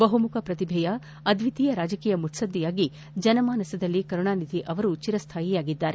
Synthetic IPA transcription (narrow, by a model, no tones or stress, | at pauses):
bɐɦumukʰɐpɾɐt̪ibʱɛjɐ | ɐd̪ʋit̪iːjɐɾaːd͡ʒɐkiːjɐmuʈ̪sɐd̪ːijaːɡi | d͡ʒɐnɐmaːnɐsɐd̪ɐlːikɐɾɳaːnid̪ʱiʔɐʋɐɾut͡ʃiɾɐst̪ʰaːjijaːɡid̪ːaːɾe